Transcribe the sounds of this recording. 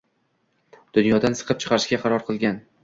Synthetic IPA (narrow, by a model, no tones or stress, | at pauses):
d̪̥ʊnjɒd̪ansɨ̥qʰɨp̚t͡ʃʰɨ̥qʰɑɾɪʃɡʲaqʰɑɾɒɾqʰɨlˠɡʲan